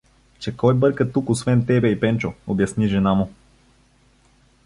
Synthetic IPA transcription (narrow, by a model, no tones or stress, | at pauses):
t͡ʃɛkɔjbɤɾkət̪ukosvɛnt̪ɛbɛipɛnt͡ʃoobjɐsniʒɛnamʊ